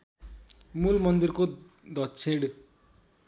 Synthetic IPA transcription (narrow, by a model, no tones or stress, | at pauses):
mulmʌnd̪irko | d̪ʌt͡sʰeɽ